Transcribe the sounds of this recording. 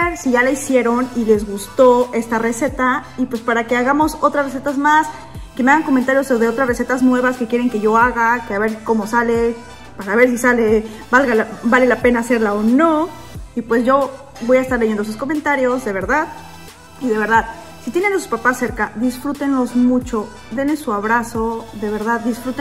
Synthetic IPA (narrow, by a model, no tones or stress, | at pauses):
eɾsiʝalaisje̞ɾonile̞zɣust̪o̞e̞st̪are̞se̞t̪aipwe̞spaɾake̞aɣamo̞so̞t̪ɾazres̬e̞t̪azmas | ke̞meaɣaŋko̞ment̪aɾjo̞soðeo̞t̪ɾasre̞se̞t̪aznwe̞βaske̞kje̞ɾe̞ŋke̞ʝo̞aɣakeaβe̞ɾko̞mo̞sale̞ | paɾaβe̞ɾs̬isale̞ | balɣalabale̞lape̞naːse̞ɾlaono̞ | ipwe̞zʝo̞ | βo̞jaest̪aɾle̞ʝend̪os̬usko̞ment̪aɾjo̞zðe̞βe̞ɾðað | iðe̞β̞e̞ɾðað | sit̪jene̞nasu̥spapasːe̞ɾkaðisfɾut̪e̞nlo̞zmut͡ʃo̞ | d̪e̞nesuaβ̞ɾaso̞ðe̞β̞e̞ɾðaðːisfɾut̪e